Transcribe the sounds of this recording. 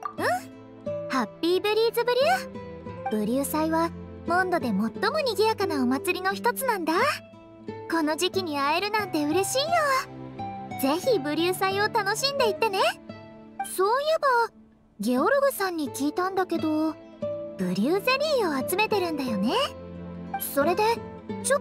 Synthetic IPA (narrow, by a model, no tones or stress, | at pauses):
ɯ̟̃ | hapʲːiːbɯ̟ɾʲiːzɨbɯ̟ɾʲɨː | b̥ɯ̟ɾʲɨːsaiβamõ̞nd̪o̞d̪e̞mo̞t̪ːo̞mo̞ɲ̟iɡʲijakanaomat͡sɨɾʲino̞çi̥t̪o̞t͡sɨnãnd̪a | ko̞no̞ʑikʲiɲ̟iaeɾɯ̟nãnt̪e̞ɯ̟ɾe̞ɕiːjo | d͡ze̞çibɯ̟ɾʲɨːsaio̞t̪ano̞ɕĩnd̪e̞it̪ːe̞ne̞ | so̞ːjɯba | ɡʲe̞oɾoɡɯ̟sãɲ̟ːikʲiːt̪ãnd̪ake̞d̪o̞ | b̥ɯ̟ɾʲɨɯːze̞ɾʲiːo̞at͡sɨme̞t̪e̞ɾɯ̟̃nd̪ajo̞ne̞ | so̞ɾe̞d̪e̞t͡ɕo